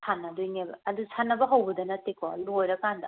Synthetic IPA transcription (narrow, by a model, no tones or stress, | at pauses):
sʰanːɐdujnebɐɐd̪usʰanːɐbɐɦawbɐdɐnɐtekʰɔuɦojɾɐkandɐ